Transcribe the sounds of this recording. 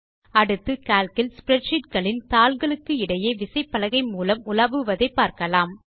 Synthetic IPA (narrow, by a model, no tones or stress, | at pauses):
ɐɽɯt̪ːɯkaːlkɪlspɪɾɛʈt͡ʃɪʈ̚ɡɐɭɪnt̪aːlɡɐɭɯkːɯɪɽɐjeːʋɪsɐɪpːɐlɐɣɐɪmuːlɐmʊlɐʋɯʋɐðɐɪpːaːɾkɐlaːm